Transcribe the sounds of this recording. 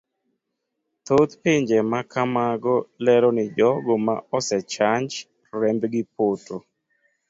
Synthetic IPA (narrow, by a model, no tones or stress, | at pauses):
t̪ot̪peɲd͡ʒemakamaɡɔlɛɾɔnɪd͡ʒɔɡoma̰ɔsɛt͡ʃaɲd͡ʒ | ɾɛmbɡɪpoto